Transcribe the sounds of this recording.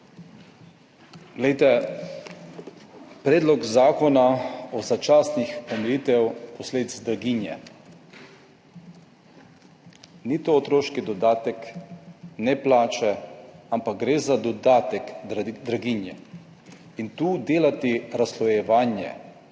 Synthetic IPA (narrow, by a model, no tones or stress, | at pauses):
ɡlɛjt̪ɛ | pɾeːd̪lɔkzaːkɔnaɔzat͡ʃaːsnixɔmɛjit̪ɛwpɔsleːd̪izd̪ɾaɡinjɛ̰ | nit̪oːt̪ɾoːʃkid̪ɔd̪aːt̪ɛk | nɛplaːt͡ʃɛampak̚ɡɾeːzad̪ɔd̪aːt̪ɛk̪d̪ɾaɡinjɛ | int̪uːd̪eːlat̪iɾaslɔjɛʋaːnjɛ̰